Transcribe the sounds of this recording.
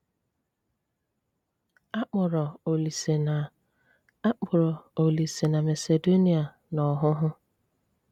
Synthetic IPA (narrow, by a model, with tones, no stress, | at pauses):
a˦k͡pʊ˨ɾɔ˨o˨li˨se˨a˨ | a˦k͡pʊ˨ɾɔ˨o˨li˨se˨na˨me˨se˨do˦ni˨a˨ | nɔ˨ɦʊ˦ɦʊ˦